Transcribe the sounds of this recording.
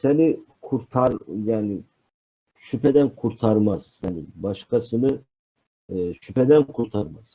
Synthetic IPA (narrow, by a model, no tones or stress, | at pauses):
sɛnikʰuɾt̪ʰɑɾjaːni | ʃypʰɛd̪ɛnkʰuɾt̪ʰɑɾmɑz̥janibɑʃkʰɑsɯnɯ | ʃʰypʰɛd̪ɛnkʰuɾt̪ʰɑɾmɑz̥